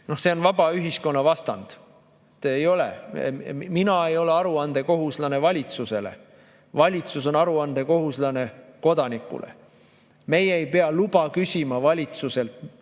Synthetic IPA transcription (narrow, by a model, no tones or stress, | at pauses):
no̞hse̞o̞nvɑb̥ɑyɦisko̞nːɑvɑst̪ɑnd̪̥ | t̪ːejo̞lḛ | minɑe̞jo̞le̞ɑɾuɑnd̪̥e̞ko̞ɦuslɑne̞vɑlʲit̪suse̞lḛ | vɑlʲit̪sus̬o̞nɑɾuɑnd̪̥e̞ko̞ɦuslɑne̞ko̞d̪̥ɑnikːˑṵlʔḛ | me̞jeːjpe̞ɑlub̥ɑkysʲimɑvɑlʲit̪suse̞lt̪